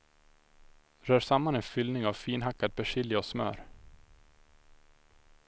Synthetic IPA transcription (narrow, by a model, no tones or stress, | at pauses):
ɾœːʂamːanɛnfʏlnɪŋavfiːnɦakːad̪̚bɛʂɪlːɪɔsmœ̰ːɾ